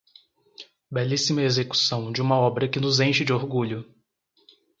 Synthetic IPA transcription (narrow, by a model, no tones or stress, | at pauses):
bɛlisimɐezeku̥sɐ̃w̃d͡ʒɪũmɐɔbɾɐkɪnʊzẽj̃ʃɪd͡ʒɪoɾɡuʎʊ